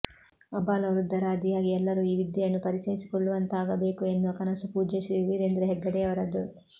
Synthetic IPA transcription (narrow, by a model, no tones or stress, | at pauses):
ɐbaːlɐʋɾud̪ːɐɾaːɐd̪ijaːɡiɛlːɐɾuːiːʋid̪jɐjɐnːupɐɾit͡ʃɐjisi̥koɭːuʋɐnt̪aːɡɐbe̞ːkue̞nd̪uɐkɐnɐsupuːd͡ʒɐʃiʋiːɾend̪ɾuɦɛɡːɐɽɛjɐʋɐɾɐd̪u